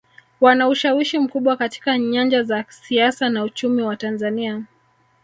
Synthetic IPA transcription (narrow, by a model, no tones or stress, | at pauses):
wanauʃawiʃim̩kuɓwakati̥kaɲand͡ʒazasiasanaut͡ʃumiwatanzania